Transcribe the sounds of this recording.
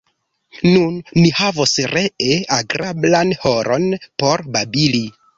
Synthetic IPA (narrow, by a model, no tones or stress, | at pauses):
nunmihavosɾeʔeaɡɾablanhoɾonpo̞ɾbabili